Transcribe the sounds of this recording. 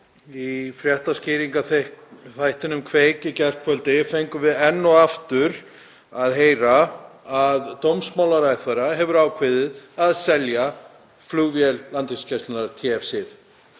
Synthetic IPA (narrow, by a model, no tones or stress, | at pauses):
ifɾjɛht̪ascɪːɾiŋkaθeθajht̪ɪnʏmkʰveːcɪcɛr̥kfœlt̪ɪfejŋkʏvɪðɛnːɔaft̪ʏɾ | aðɦeːjɾaː | ðt̪owmsmawlaɾajθaɾaɦɛvʏɾaːwkʰvɪðɪðaðsɛlja | fluːvjɛlːant̪iŋscajst̪ɪnaɾt̪ʰiɛfsɪð